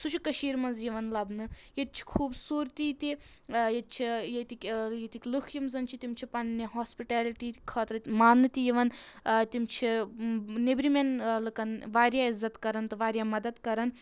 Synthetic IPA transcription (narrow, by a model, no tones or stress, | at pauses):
sut͡ʃʰikɐʃiːɾmɐnzjiʋɐnlɐbnɨjet̪̚t͡ʃʰi̥kʰuːbsuːɾt̪iːt̪i | jet̪̚t͡ʃʰijet̪ikʲjet̪ikʲlukʰjimzɐnt͡ʃʰit̪imt͡ʃʰipɐnːiɦaːspiʈaːliʈiːkʰaːt̪ɾɨt̪maːnːɨt̪ijiʋɐnt̪imt͡ʃʰi | nebɾimʲenlɨkɐnʋaːɾjaːizːɐt̪kɐɾɐnt̪ɨʋaːɾʲjaːmɐd̪ɐd̪kɐɾɐn